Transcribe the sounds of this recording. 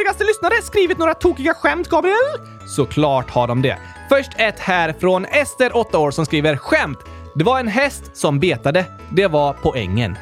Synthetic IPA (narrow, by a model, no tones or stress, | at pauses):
ɪɡast̪əlʏsnaɾəskɾiːvɪt̪noːɾat̪ʰuːkɪɡaɧɛmt̪ɡɑːbɾɪɛlː | sɔkʰlɑːʈhaɖɔmd̪ɛ̰ | fœʂʈʰɛt̪hæːɾfɾɔnɛst̪əɾʔɔt̪ːaoːɾsɔmskɾiːvəɾɧɛmt̪ | d̪ɛvaɾɛnɦɛst̪sɔmbeːt̪ad̪ə | d̪ɛvaɾpʰɔɛ̰ŋːə̰n